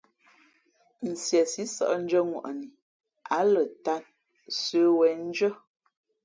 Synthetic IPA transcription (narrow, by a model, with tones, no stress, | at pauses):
n̩˨sjɛ˨si˦sɔ̰˦ʔn̩˦d͡ʒə˦ŋwa̰˨ʔni˨ | a˨˦lə˨ta˦n | sə˨˦wɛ˨˦n̩˦d͡ʒə˦